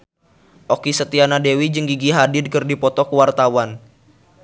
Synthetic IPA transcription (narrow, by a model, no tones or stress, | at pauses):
ʔɔkisət̪ianadewid͡ʒɨŋɡiɡiɦadɪdkɨrdipɔt̪ɔkəwart̪awan